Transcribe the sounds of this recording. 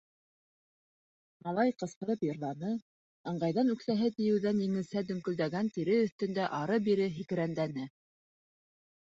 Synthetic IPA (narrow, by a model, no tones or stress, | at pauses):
mɑlˠɑjqɤ̆sqɤ̆ɾɤpjɤ̆ɾlˠɑnɤ | ɤ̆ɴɢɑjðɑnʉkθæɦɘt̪ɘ̆jɘ̆wðænjɘ̆ŋɘ̆sæd̪ɵ̆ŋkɵ̆ld̪æɡænt̪iɾɘɵ̆θt̪ɵ̆nd̪æʔɑɾɤbiɾɘɦikɘ̆ɾænd̪ænɘ